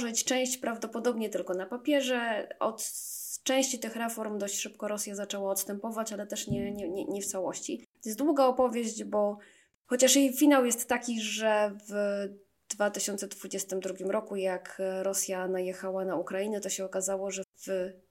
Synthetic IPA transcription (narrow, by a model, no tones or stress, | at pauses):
ʐɛt͡ɕt͡ʂɛ̃w̃ɕt͡ɕpɾavd̪ɔpɔd̪ɔbɲɛt̪ɘlkɔnapapʲjɛʐɛɔ̰t̪t͡ʂɛ̃w̃ɕt͡ɕit̪ɘxɾɛfɔɾmd̪ɔɕt͡ɕʂɘp̚kɔɾɔsʲjazat͡ʂɛwaɔt̪st̪ɛmpɔvat͡ɕalɛt̪ɛʂɲɛɲɛɲɛɲɛft̪sawɔɕt͡ɕijɛs̚d̪wuɡaɔpɔvʲjeʑd͡ʑbɔ | xɔt͡ɕaʂjejfʲinawjɛst̪ːakʲiʐɛv | d̪̥vat̪ɘɕɔnt̪sɛd̪vud͡ʑɛst̪ɘmd̪ɾuɡʲimɾɔkujakɾɔsʲjanajɛxawanaukɾajinɛt̪ɔɕɛɔkazawɔʐɛv